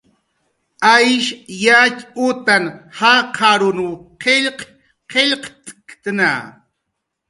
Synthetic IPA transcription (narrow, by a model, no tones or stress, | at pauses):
ajʃjakʼʊt̪anhaqʰaɾʊnuqʰeʎq | qeʎqt̪ʼkt̪na̰